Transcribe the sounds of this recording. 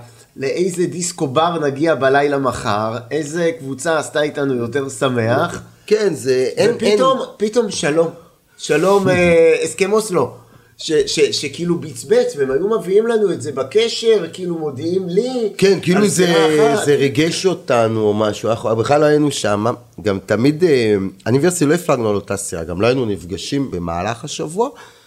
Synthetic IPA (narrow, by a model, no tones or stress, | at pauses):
le̞ʔejzedisko̞baʁnaɡiabalajlamaχaʁejze̞kvut͡saːst̪aitanujo̞te̞ʁsame̞aχkenzeepitompito̞mʃalo̞m | ʃalo̞meeskemoslo̞ | ʃeʃeʃekiilubit͡sbet͡sveemajumeviimlanuetzebakeʃe̞vkiilumo̞diimlikenkiiluzezeʁeɡeʃo̞tanuomaʃuanaχabeχlaloajinuʃama | ɡamtamideanivesitilo̞iflaɡnualo̞tasiʁa̰ɡamlo̞ajinunifɡaʃimbe̞ma̰ːlaχaʃavua